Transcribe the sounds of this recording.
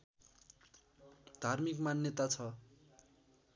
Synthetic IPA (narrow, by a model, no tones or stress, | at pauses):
d̪ʱarmikmanjʌt̪at͡sʰʌ